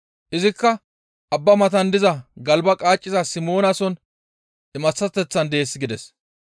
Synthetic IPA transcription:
ʔɪzɪkːɐ | ʔɐbːɐmɐt̪ɐnd̪ɪzɐɡɐlbɐkʼaːt͡ʃʼːɪzɐsɪmo̞ːnɐsɔn | ɪmɐt͡sːɐt̪ːɛt͡sːɐnd̪e̞ːsːɪɡɪd̪ɛs

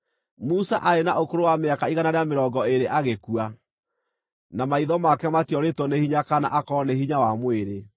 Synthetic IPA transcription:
musaʔaɾenaʔokoɾowameakaiɣanaɾeameɾɔɡɔeɾeʔaɣekua | namaiðɔmakɛmatiɔɾetwɔnehiɲakana̰ʔakɔnehiɲawamweɾe

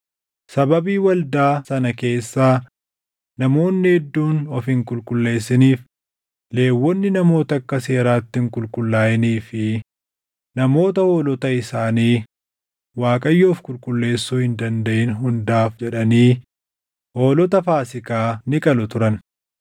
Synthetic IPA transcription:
sɐbɐbiːwɐld̪aːsɐnɐke̞ːsːaː | nɐmo̞ːnːɪhɛd̪ːuːnɔfɪŋkʼʊlkʼʊlːe̞ːs̬ːɪniːf | le̞ːwːɔnːɪnɐmo̞ːt̪ɐɐkːɐse̞ːɾaːt̪ːɪŋkʼʊlkʼʊlːaːjɪniːfɪ | nɐmo̞ːt̪ɐoːlɔt̪ɐɪsaːniː | waːkʼɐjːoːfkʼʊlkʼʊlːe̞ːsːuːhɪnd̪ɐnd̪ɐʔɪnɦʊnd̪aːfd͡ʒɛᶑɐniː | ʔo̞ːlɔt̪ɐfaːsɪkaːnɪkʼɐlʊt̪ʊɾɐn

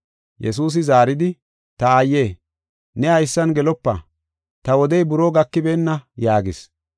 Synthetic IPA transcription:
jɛ̰s̬uːs̬ɪzaːɾɪd̪ɪ | t̪ɐajːe̞ː | nɛhɐjsːɐnɡɛlɔpːɐ̰ | t̪ɐwɔd̪ɛjbʊɾoːɡɐkːɪbeːnːɐjaːɡɪs

